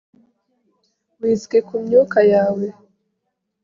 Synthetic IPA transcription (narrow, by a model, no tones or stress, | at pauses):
wiːzɡekumɲuːkajaːwe